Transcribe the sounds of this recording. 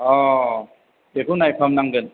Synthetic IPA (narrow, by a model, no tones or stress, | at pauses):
ɔ | ekɯnajpʰamnaŋɡɯn